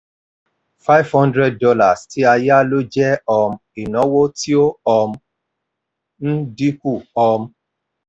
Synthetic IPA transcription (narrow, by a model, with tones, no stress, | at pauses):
fa˦i˦vhɔ̃˦ndɾɛ˦d̚dɔ˧˦la˨stʰi˨˦a˧ja˦lo˦d͡ʒɛ˦ɔ˧m̩˦i˨nɔ̃˨˦wo˦ti˦o˦ɔ˧m̩˦ | n̩˦di˦ku˦˨ɔ˧m̩˦